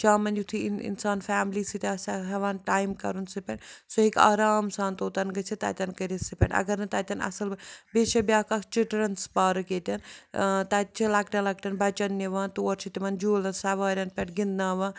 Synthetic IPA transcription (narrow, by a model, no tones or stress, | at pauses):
t͡ʃʰaːmɐnjut̪ʰiḭnsaːnfaːmliːsit̪ʲɐsɐɦɐʋaːnʈaːjmkɐɾunsipʲɐɳsoɦika̰ːɾaːmsaːnt̪oːt̪ɐnɡɐt͡ʃʰit̪a̰ːt̪ʲɐnkɐɾisipʲɛ̰ɳɐ̰ɡɐɾnɐt̪ɐt̪ʲɐnɐ̰sɐlbeːt͡ʃɐbʲjaːkakt͡ʃiʈɾɐnspaːɾɨkeːt̪ʲɐnt̪at̪t͡ʃʰilɐk̚ʈʲɐlɐk̚ʈɐnbɐt͡ʃɐnːeʋaːnt̪oːɾt͡ʃʰit̪iʋɐnd͡ʒoːlɐnsɐʋaːɾʲɐnpʲɛʈɡind̪naːʋaː